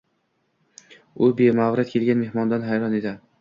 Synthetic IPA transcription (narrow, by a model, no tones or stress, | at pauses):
ʊbemavɾɪt̪̚kʲʰe̞lɡʲanme̞hmɒnd̪anɦajɾɒned̪ɪ